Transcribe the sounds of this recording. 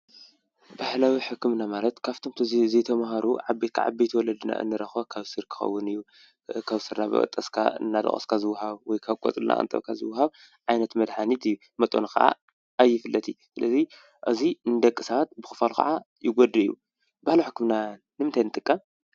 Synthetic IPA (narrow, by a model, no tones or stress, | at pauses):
bahlawiħɨkːɨmnamalɐt̪kʰaft̪ʰomt̪ʰɨzit̪ʰɐmɦaɾuʕabet̪kʰa̰ʕa̰bejt̪ʰwɔlɐd̪ɨna̰ʔɨ̰nːɨɾɐxβakʰaβsɨɾkʰɨ̥xɐ̰wːɨnɨjːu | kʰaβsɨɾnabɨ̰ɐ̰t̪ʼɐskʰa̰ɨ̰nːad̪ɐ̰χʼɐ̰skʰazɨwːaɦaβwɔjkʰaβkʼɔ̰t͡sʼɨlna̰ʔʼnt̪ʼɐ̰βkʰazɨwːaɦaβ | ʕajnɐt̪mɐd̪ħanit̪ɨjːu | mɐt̪ʼo̰nakɐ̰ʔa̰ | ajːɪfɨlːɐt̪ʰisɨlɐzi | ʔɨziɨnd̪ɐkʼːɨsaβat̪̚bɨxɨ̥falkʰa̰ʕa | jɪɡʷɔd̪ɐɨjːṵ | bahlɐħɨkːɨmna | nɨmɨnt̪ʰajnɨt̪ʼɨkʼːɐm